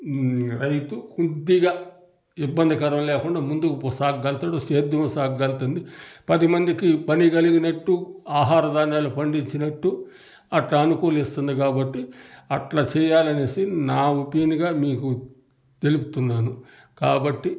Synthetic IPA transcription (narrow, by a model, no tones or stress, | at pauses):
ɾɐjt̪ukud̪ːiɡaː | ibːɐnd̪ʱikɐɾɐmlɛːkuɳɖaːmund̪ukupsaːɡːɐlt̪aːɽoseːd̪jɐmɐsaːɡːɐlt̪und̪ipɐd̪imɐnd̪ikipɐniɡɐliɡinɐʈːuaːɦaːɾɐd̪aːnaːlupɐɳɖiɲt͡ʃinɐʈːu | ɐʈlaɐnukoːlist̪und̪ik̬aːbɐʈːiɐʈlaːt͡ʃɛːjaːlɐneːsinaːupiniɡaːmiːku | t̪e̞lupu̥t̪unːaːnu | kaːbɐʈːi